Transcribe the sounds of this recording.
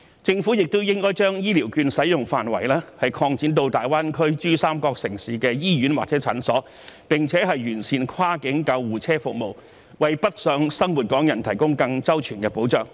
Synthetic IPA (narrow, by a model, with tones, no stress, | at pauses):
t͡sɪ˧ŋfuː˨˥jɪ˨k̚t̪o˥wjɪ˥ŋkɔː˥jt͡ʃœː˥ŋjiː˥liː˨˩wkyː˧nsɐ˨˥jʊ˨ŋfaː˨˩nwɐ̰˨˩jlɛː˥hɐ˨jkʰɔː˧ŋt͡siː˨˥nt̪o˧wt̪aː˨˩jwaː˥nkʰɵ˥ɥt͡ʃyː˥saː˥mkɔː˧k̚sɪ˨˩ŋsiː˨˥kɛː˧jiː˥jyː˨˥nwa̰ː˨k̚t͡sɛː˨˥t͡sʰɐ̰˨˥nsɔː˨˥ | pɪ˨ŋt͡sʰɛː˨˥ɦɐ˨jɥyː˨˩nsʰiː˨˧nkʰwaː˥kɪ˨˥ŋkɐ˧wːuː˨t͡sʰɛː˥fʊ˨k̚mo˨w | wɐ˨jpɐ˥t̚sœː˨˥ŋsɐ˥ŋwuː˨˩t̚kɔː˨˥ŋjɐ˨˩nt̪ʰɐ˨˩jkʊ˥ŋkɐ˧ŋt͡sɐ˥wt͡ʃʰyː˨˩nkɛː˧po˨˥wt͡ʃœː˨˧ŋ